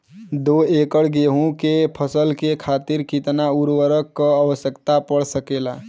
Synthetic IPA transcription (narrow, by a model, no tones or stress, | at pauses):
d̪oekəɽɡeɦũkepʰəsəlkekʰat̪iɾkit̪nauɾwəɾəkːəəʋəsjəkt̪apəɽsəkela